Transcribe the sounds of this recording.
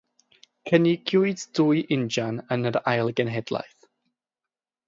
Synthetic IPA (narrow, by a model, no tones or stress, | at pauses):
kʰənɪɡ̥jʊɨdduːɨʔɪnd͡ʒanənəɾajlˠɡɛnɦɛd̥lˠa̰jθ